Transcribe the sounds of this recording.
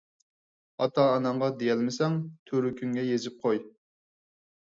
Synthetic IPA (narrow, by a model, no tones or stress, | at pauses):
ɑt̪ɑːnɑɴʁɑd̪ejɛlmɪsɛŋt̪ʰøɾykʲʰyŋɡʲɛjezɪp̚qʰoj